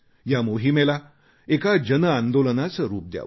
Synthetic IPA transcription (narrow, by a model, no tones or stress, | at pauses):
jamoɦimela | ekad͡ʑənəãnd̪olənat͡səɾuːp̚d̪ja̰